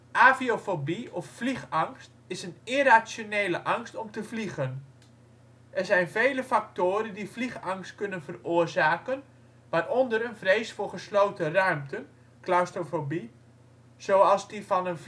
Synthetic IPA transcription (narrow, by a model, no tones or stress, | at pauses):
ʔaːviofobiɔfːliχɑŋst | ɪsənɪrasjoneːləʔɑŋstɔmtəvliɣən | ʔɛrzɛjnvejləfak̚toːɾəndifliχɑŋstkʏnənvərʊərzaːkən | ʋaːrɔndərənvreːsfʊːrχəslowtərœɥmtʰən | klastofobi | z̥oɑlˠzdifɑnənf